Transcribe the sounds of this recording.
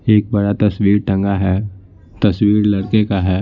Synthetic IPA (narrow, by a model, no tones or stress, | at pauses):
eːk̚bɐɽat̪ɐswiːɾʈɐ̃ŋɡaɦɛː | t̪ɐsʋiːɾlɐɽkekaɦɛː